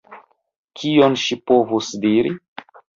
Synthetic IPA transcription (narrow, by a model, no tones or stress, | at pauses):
kʰionʃipo̞vusdiɾi